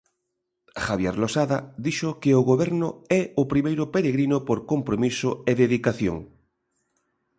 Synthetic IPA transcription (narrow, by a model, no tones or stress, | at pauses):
xaβjeɾlosaðad̪iʃʊkeʊɣoβɛɾnʊɛʊpɾimejɾʊpeɾeɣɾinʊpoɾkompɾomisʊeðeðikaθjo̰ŋ